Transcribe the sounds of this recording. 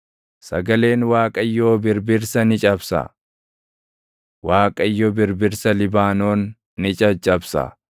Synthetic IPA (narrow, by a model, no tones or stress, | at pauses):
sɐɡɐle̞ːnwaːkʼɐjːoːbɪɾbɪɾsɐnɪt͡ʃʼɐbsɐ̰ | waːkʼɐjːobɪɾbɪɾsɐlɪbaːno̞ːnː | ɪt͡ʃʼɐt͡ʃʼɐbsɐ̰